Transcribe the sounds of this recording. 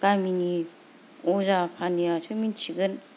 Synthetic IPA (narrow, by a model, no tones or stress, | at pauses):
kamini | ɔzapʰanijasʰamint͡ʃʰiɡɯn